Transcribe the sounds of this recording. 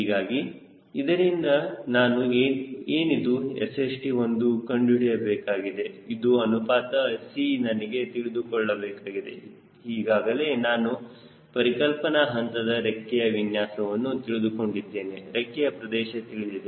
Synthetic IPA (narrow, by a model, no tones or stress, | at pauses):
hiːɡaːɡi | id̪ɐɾind̪ɐnaːnueːeːnid̪uḛsesʈio̞nd̪ukɐɳɖiɽɛjɐbɛːkaːɡid̪e̞id̪uɐnupaːt̪ɐsinɐnɐɡe̞t̪iɭid̪ukɔɭːɐbɛːkaːɡid̪e̞̰ | hiːɡaːɡɐle̞ːnaːnu | pɐɾikɐlpɐnɐɦɐnt̪ɐd̪ɐɾekːɛjɐʋinjaːsɐʋɐnːut̪iɭid̪uko̞ɳɖid̪ːe̞ːneɾekːɛjɐpɾɐd̪ɛːʃɐt̪iɭid̪id̪e